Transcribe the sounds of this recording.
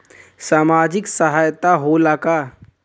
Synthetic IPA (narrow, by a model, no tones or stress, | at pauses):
saːmaːd͡ʒɪksəɦaːjt̪aɦolaka